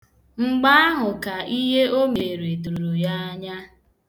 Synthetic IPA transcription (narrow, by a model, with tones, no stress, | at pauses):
ŋ͡m̩˨ɡ͡ba˦a˦ɦʊ˨ka˨i˦ɦe˦o˦me˨ɾe˨du˨ɾu˨ɾu˨ja˦a˦ɲa˦